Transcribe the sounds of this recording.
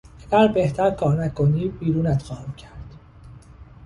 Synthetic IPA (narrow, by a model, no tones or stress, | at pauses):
eɡæɾbe̞ht̪ʰæɾkʰɒːɾnækʰoniːbiːɾuːnæt̪xɒːhæmcʰæɾd̪̥